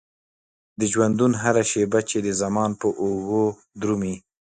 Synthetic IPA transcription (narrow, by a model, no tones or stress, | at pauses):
d̪əd͡ʒwand̪unɦaɾaʃebat͡ʃed̪əzamɑnpəʔoɣo | d̪ɾumi